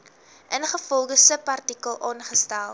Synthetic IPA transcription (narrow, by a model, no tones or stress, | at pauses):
ʔənχəfɔlˠɡəsəpɐrtikəlˠɑːnχəstælˠ